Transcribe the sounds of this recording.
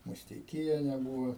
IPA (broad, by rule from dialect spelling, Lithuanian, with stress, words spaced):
mʊsʲtʲɛɪˈkʲiɛnʲɛ ˈbuːʋɐ